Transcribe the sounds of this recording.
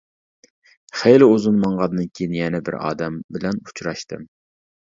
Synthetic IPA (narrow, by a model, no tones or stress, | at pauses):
χejlɪozunmɑɴʁɑnːɨnkʲʰejinjɛnɛbɪ̰ɾɑ̰ːd̪ɛmbɪlɛnut͡ʃʰɾɑʃt̪ɨ̰m